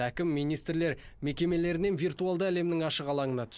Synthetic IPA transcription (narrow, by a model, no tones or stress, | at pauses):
ækʲɪmːijnijst̪ɾle̞ɾme̞kʲe̞me̞le̞ɾɪne̞nvijrt̪ualˠd̪əæle̞mnɪŋɑʃəʁɑlˠɑɴənɑt̪ʰʏ̥s